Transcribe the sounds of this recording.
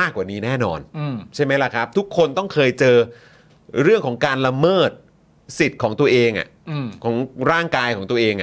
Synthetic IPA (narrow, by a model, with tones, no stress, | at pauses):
aː˥˩kːwaː˨˩niː˦˥nɛː˥˩nɔ̰ː˧n˧t͡ɕʰa˥˩jma˦˥jla˨˩kʰɾa˦˥p̚t̪ʰu˦˥kʰːo˧nt̪ɔ˥˩ŋkʰɤː˧jt͡ɕɤː˧ | ɾɯ˥˩əŋkʰɔː˩˦ŋkaː˧nla˧mɤː˥˩t̪̚ | si˨˩t̪̚kʰɔː˩˦ŋt̪u˧ɐʔeː˧ŋʔa̰˨˩ʔkʰɔː˩˦ŋɾaː˥˩ŋkaː˧jkʰɔː˩˦ŋt̪u˧əʔeː˧ŋʔa˨˩